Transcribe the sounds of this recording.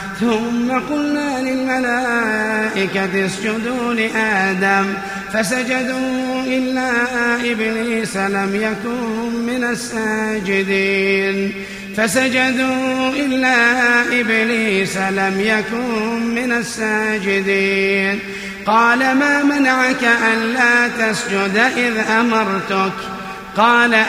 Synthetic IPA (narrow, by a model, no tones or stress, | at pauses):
θʊmːaqʊlnaːlɪlmalaːʔɪkat̪ɪsd͡ʒʊd̪uːlɪʔaːd̪am | fasad͡ʒad̪uːʔɪlːaːʔɪbliːsalamjakʊnmɪnasːaːd͡ʒɪd̪iːn | fasad͡ʒad̪uːʔɪlːaːʔɪbliːsalamjakʊnmɪnasːaːd͡ʒɪd̪iːn | qɑːlamaːmanaʕakaʔanlaːt̪asd͡ʒʊd̪ʔɪðʔamɑɾˤt̪ʊk | qɑːla